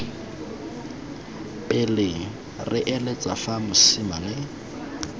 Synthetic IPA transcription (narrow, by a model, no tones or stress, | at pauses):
ɪlɪ | rɪʔɛlet͡sʼa̰famʊsɪmalɪ